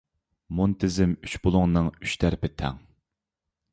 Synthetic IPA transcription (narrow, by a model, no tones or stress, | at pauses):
munt̪ʰɪzɪmyt͡ʃbolˠʊŋnɨŋy̥ʃt̪ʰæɾpɪt̪ʰɛ̰ŋ